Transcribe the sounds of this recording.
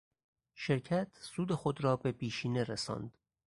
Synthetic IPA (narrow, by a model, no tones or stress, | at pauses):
ʃeɾcʰæt̪ʰsuːd̪exod̪ɾɒːbe̞pʰiːʃiːne̞ɾesɒ̰ːnd̪̥